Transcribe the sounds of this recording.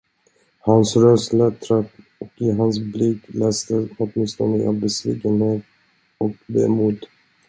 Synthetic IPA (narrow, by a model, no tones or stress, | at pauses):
hansɾœslat̪ʰɾat̪ː | ɔkɪɦans̬blɪkːlɛːst̪əhɔt̪mɪnst̪ɔnd̪əa̰vbɛsviːkənheːt̪̚ | ɔk̚bḛːmuːd̪